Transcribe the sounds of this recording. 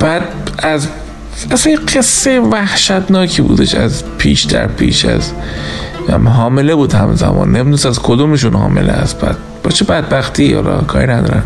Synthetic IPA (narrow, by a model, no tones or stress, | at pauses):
b̥æːd̪æz | æsæjɢe̞sːejevæhʃæt̪nɒːkʰiːbuːd̪e̞ʃæzpʰiːʃd̪æɾpʰiːʃæ̰z | mɦɒːme̞lebuːd̪hæmzæmɒːnːeminosæzkʰod̪omeʃunhɒ̰ːme̞̰lʔeæs̚b̥æd̪̥̚bɒt͡ʃʰebæd̪̚bæxt̪ʰihɒ̰lɒ̰kʰɒ̰ːɾinæd̪ɒ̰ːɾæn